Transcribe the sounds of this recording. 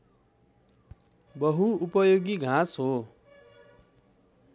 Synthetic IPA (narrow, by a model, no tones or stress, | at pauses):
bʌɦuupʌjoɡiɡʱãsɦo